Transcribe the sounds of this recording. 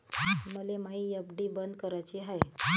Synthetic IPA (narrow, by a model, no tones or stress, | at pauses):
məlemaijəbɖibənd̪kəɾajt͡ɕiɦaj